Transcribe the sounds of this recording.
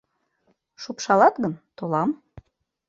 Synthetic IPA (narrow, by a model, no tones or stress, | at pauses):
ʃupʃɑlɑt̪ɡənt̪olˠɑm